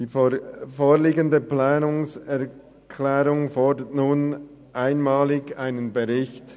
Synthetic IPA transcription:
d̥iːfoːliːɡəndəplaːnʊŋsɛɐ | kʰlɛːɾʊŋfɔdətnuːn | ʔaɪnmɑːlɪɡaɪnənbəʁɪçt

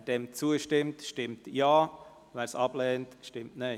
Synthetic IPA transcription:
d̥ɛmt͡suəʃtɪmtʃtɪmtjaː | væːɾsɑb̥lɛːntʃtɪmtne

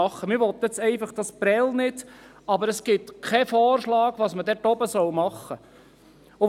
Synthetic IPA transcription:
ɑχːəmɪɾʋɔt̪ːjɛt͡sɛɪfɑχd̥ɑsb̥ɾɛlnɪd̥ | ɑbəɾəsɡ̥ɪtkʰɛfɔːrʃlɑːɡʋɑːsmədɛtɔbəsɔwmɑχːə | ʊ

